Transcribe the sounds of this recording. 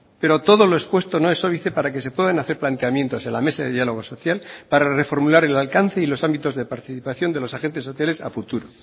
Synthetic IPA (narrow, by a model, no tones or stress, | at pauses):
pe̞ɾo̞t̪o̞ðo̞loespwe̞st̪o̞no̞e̞sːo̞βiθe̞paɾake̞se̞pwe̞ðanaθe̞ɾplant̪e̞amje̞nt̪o̞se̞nlame̞saðe̞ðialo̞ɣ̞o̞so̞θjalpaɾare̞fo̞ɾmulaɾe̞lalkan̟θe̞ilo̞sambit̪o̞zðe̞paɾt̪iθipaθjo̞nd̪e̞lo̞saxe̞nt̪esːo̞θjale̞sa̰fut̪uɾo